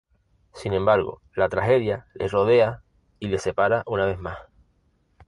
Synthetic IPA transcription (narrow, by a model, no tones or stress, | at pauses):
sinẽ̞mbaɾɣo̞̰ | lat̪ɾaxe̞ðjalʔe̞̰ro̞ð̞e̞a | ile̞se̞paɾaʔunaβ̞e̞ɦmah